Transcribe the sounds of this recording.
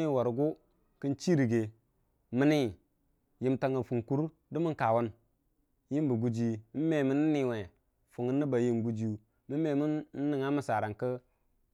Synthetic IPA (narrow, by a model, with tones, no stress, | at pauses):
wa˨ɾɡu˦ | kɨ˦nt͡ʃi˦ɾi˨ɡe˨ | mə˦ni˦˨ | ji˦mta˨ŋa˨fu˨ŋku˦ɾ | du˦mi˦ŋka˨wu˦n | ji˦m˦bə˨ɡu˦d͡ʒi˦i˦me˨mi˦n̩˦ni˨we˨ | fu˨ŋə˦nːə˦ba˨ji˦nɡu˦d͡ʒi˦u˨ | mi˦me˨mi˦n̩ː˦i˨ŋa˦mə˦sa˨ɾa˨ŋkə˦